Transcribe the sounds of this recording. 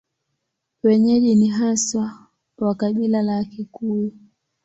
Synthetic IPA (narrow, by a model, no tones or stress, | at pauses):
wɛɲɛʄiniɦaswa | wakaɓilalakikuu